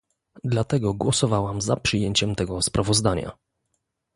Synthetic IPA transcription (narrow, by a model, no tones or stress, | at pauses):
d̪lat̪ɛɡɔɡwɔsɔvawamzapʂɨjeɲt͡ɕɛmt̪ɛɡɔspɾavɔzd̪aɲa̰